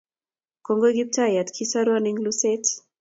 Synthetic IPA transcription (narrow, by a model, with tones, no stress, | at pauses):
ko˦ŋɡo˦ɡi˦p̚ta˦ja˨tkʰi˦saɾwaniŋluset